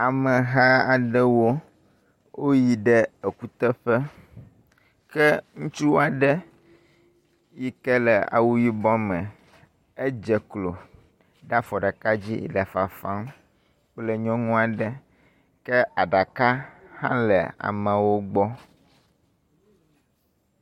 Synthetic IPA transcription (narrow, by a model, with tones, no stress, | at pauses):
a˨mɛ˨ɦa˦a˨ɖɛ˦wo˦ | wʔo˦ji˨ɖɛ˦e˨ku˦t̪ɛ˦ɸɛ˦ | kɛ˦ŋũ˦t͡ʃu˦wa˨ɖɛ˦ | ji˦kɛ˦lɛ˨a̰˨wu˦ji˦bɔ˦mɛ̃˨ | e˦d͡ʒɛ˨klo˨ | ɖa˦fɔ˨ɖa˨ka˦d͡ʑḭ˦lɛ˨fa˨fã˦m˦ | k͡plɛ˦ɲɔ̃˦ŋũ˦a˨ɖɛ˦ | kɛ˦a˨ɖa˨ka˦hã˦lɛ̰˨a̰˨mɛ̃˨wo˦ɡ͡bɔ˦